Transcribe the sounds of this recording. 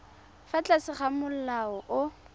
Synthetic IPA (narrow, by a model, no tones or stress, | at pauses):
fat͡ɬasɪχamʊl̩laɔʔʊ